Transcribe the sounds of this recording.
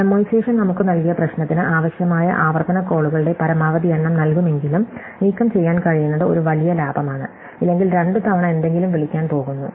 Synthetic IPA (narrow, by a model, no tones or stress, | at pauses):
mːojseːʂɐmnɐmukːɨnɐlkijɐprɐɕnɐt̪ːinɨʔaːʋɐɕjɐmaːjɐ̰ʔaːʋɐrt̪ɐnɐko̞ːɭuɣɐɭɨɽe̞pɐɾɐmaːʋɐðieɳːɐmnɐlkume̞ŋɡilum | niːkːɐmt͡ɕe̞jːaːnkɐɻijunːɐðɨo̞̰ɾuʋɐlijɐlaːbʱɐmaːɳɨ̰ | ilːe̞ŋɡilɾe̞ɳɖɨt̪ʰɐʋɐɳɐe̞nd̪e̞ŋɡilumʋiɭikʲːaːnpo̞ːɣunːṵ